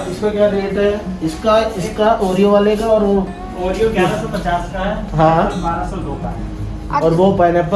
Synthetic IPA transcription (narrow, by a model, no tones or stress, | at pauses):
ɪskekjaɾeːʈɦɛɪskaɪskaʔoːɾijõʋaːlekaɔːɾʋo | oːɾijõkeɾasɔpɐt͡ʃaːskaɦɛːɦãːbaːɾasɔloːka̰ɦɛ̰ | ɔːɾʋopɛːnep